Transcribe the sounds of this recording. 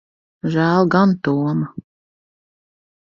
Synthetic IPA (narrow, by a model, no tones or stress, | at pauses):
ʒæːlˠɡant̪uɔmɐ